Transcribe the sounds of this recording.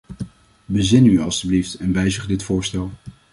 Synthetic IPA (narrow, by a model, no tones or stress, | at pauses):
bəzɪnyɑlˠstybliftɛnʋɛjzəχdɪtfʊːɹstɛlˠ